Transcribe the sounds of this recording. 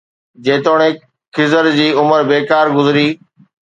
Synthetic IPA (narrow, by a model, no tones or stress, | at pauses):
d͡ʑeːt̪oːɽ̃ẽː | kʰɪzəɾd͡ʑiːʊməɾbeːkaːɾɡʊzɾiː